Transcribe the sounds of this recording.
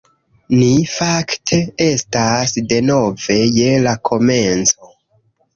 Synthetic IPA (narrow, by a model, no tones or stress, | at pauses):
nifaktʰe̞e̞stasde̞no̞ve̞je̞lakʰo̞me̞nt͡so